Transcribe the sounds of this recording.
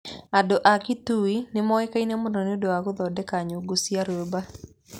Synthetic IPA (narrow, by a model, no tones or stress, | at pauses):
adɔʔakituinɪmɔɛkainɛmʊndɔnɪodowakoðɔdɛkaɲoɡosiaɾeba